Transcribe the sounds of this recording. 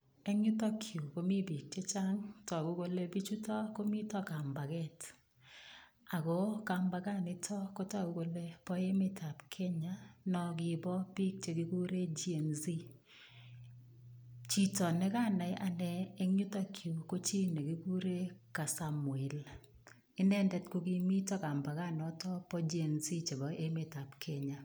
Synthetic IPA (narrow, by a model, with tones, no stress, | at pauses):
e˦ɲʊ˦tɔ˦kʰju˨ko˦mi˦bi˨k̚t͡ʃe˦t͡ʃa˦ŋtɔ˨ku˦ɡo˦le˦bi˦t͡ʃu˦tɔ˦ko˦mi˦tɔ˦ka˨mba˨kɛ˦t | a˨ko˨˦ka˨mba˨ka˦˨nɪ˨˦tʰɔ˦ko˦ta˦ku˨ko˦le˦pɔ˦je˦mɪ˦tʰa˨pkʰɛ˦ɲa˦nɔ˨kɪ˨bɔ˦bi˦k̚t͡ʃe˦ki˦ku˦ɾe˦d͡ʒi˦e˨nzi˦ | t͡ʃi˦tɔ˨nɛ˦ka˦˨na˨jʔa˨nɛː˨˦ɲu˦ta˦kʰju˨ko˦t͡ʃi˦nɛ˨ki˦ku˦ɾe˦ka˨sa˦mwɛ˨l | ɪ˦nɛ˦ndɛ˦tko˦ki˦mi˦tɔ˦ka˨mba˨ka˦nɔ˨tɔ˦pɔ˦d͡ʒi˦e˨nzi˦t͡ʃe˨bɔ˨ʔe˦me˨ta˨pkʰɛ˦ɲa˨